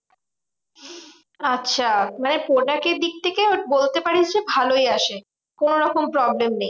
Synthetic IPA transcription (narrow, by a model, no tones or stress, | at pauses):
atːɕʰamanepoʈakeɾd̪ik̚t̪ʰekebolt̪epaɽit͡ɕʰebʱalojaʃe | konoɾɔkompɾɔblemnej